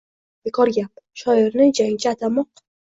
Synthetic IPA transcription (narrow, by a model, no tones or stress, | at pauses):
b̥ekʰɒɾɡʲap̚ʃɒɪɾnɪd͡ʒaŋt͡ʃʰaat̪ʰamɒq